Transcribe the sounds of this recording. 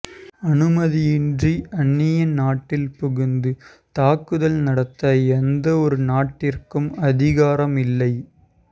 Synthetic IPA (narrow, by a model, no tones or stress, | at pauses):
ɐnɯmɐðijɪndriɐɳːɪjɐnaːʈːɪlpʊɣɪnd̪ɯ | t̪aːkːɯðɐlnɐɽɐt̪ːɐɛnd̪ɐɔɾɯnaːʈːɪrkɯmɐðɪɣaːɾɐmɪlːɐɪ